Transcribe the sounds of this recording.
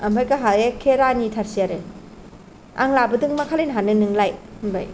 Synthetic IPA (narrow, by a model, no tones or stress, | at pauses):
ɐmbajkaɦaekʰːeɾanitʰaɾsiaɾɯ | a̰ŋlabɐdɯŋmakʰalejnɦanɯnɯŋlajhmba̰j